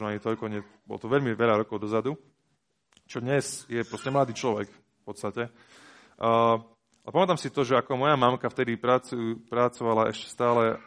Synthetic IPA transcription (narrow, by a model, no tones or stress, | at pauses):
nɔaɲit̪ɔʎkɔɲɛbɔ̰lɔ̰t̪ɔʋɛʎmiʋɛʎaɾɔkɔʊd̪ɔzad̪u | t͡ʃɔd̪ɲɛzjɛpɾɔscɛmlad̪iːt͡ʃlɔʋɛk | fpɔt̪st̪acɛː | alɛpamɛt̪aːmsit̪ɔʒɛakɔmɔjamamkaft̪ɛd̪ipɾat͡supɾat͡sɔʋalaʔɛʃcɛ̥st̪aːlɛ